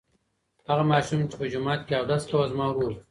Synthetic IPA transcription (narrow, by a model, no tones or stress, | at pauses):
haɣamɑːʃumt͡ʃe̥pəd͡ʒʊmɑːt̪̚keawd̪ast̪awazmɑɾuɾ